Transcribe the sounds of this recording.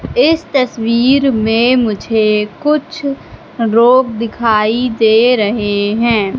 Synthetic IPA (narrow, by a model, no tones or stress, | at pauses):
ɪst̪ɐswiːɾmẽmʊd͡ʒʱekʊt͡ʃʰ | ɾoːɡd̪ɪkʰaːid̪eːɾɐɦeɦɛ̃ː